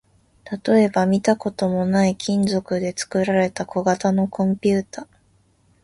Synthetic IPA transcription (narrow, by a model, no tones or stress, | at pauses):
t̪at̪o̞e̞bamʲit̪ako̞t̪o̞mo̞naikʲʰĩnd͡zo̞kɯ̟d̪e̞t͡sɨ̥kɯ̟ɾaɾe̞t̪ako̞ɡat̪ano̞kõ̞mpʲɯːt̪a